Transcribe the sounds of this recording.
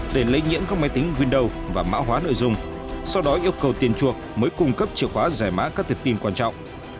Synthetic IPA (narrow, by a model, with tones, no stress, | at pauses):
ɗe˧˩lə̰˧˥jɲḭ˧˥əmkaː˦˥k̚ma˨˦jt̪i˨˦ŋ̟ŋwi˧ənɗə˨˧wvaː˨˩ma̰ː˧˥ɦwaː˨˦no̰˧˨jzʊ˧ŋ͡m | sa˧wɗɔ˨˦ʔi˧əwkə˨˩wt̪i˨˩ənt͡ɕu˨˩ək̚məː˨˦jkʊ˧ŋ͡mkə˦˥p̚t͡ɕḭ˧˨əwhwaː˨˦zaː˧˩jma̰ː˧˥kaː˦˥k̚t̪ʰp̚t̪i˧nkwaː˧nt͡ɕɔ̰˧˨wŋ͡mʔ